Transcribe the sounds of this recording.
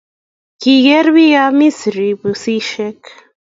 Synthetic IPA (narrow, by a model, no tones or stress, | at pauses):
kiɣɛɾβijamisɾibusiʃɛk